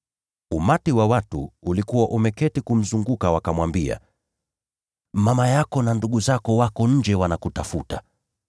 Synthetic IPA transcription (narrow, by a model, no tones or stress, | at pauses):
umatiwawatṵːlikuwaʔumɛkɛtikum̩zuŋɡukawakamwambia̰ | mamajakɔnanduɠuzakɔwakɔɲ̩d͡ʒɛwanakutafuta